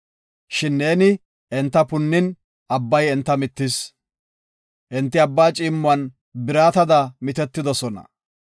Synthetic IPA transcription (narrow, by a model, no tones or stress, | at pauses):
ʃɪnːe̞ːnɪ | ɛnt̪ːɐpʊnːɪn | ɐbːɐjɛnt̪ːɐmɪt̪ːɪs | ʔɛnt̪ːɪɐbːaːt͡ʃʼiːmːʊɐn | bɪɾaːt̪ɐd̪ɐmɪt̪ɛt̪ːɪd̪ɔsɔnɐ̰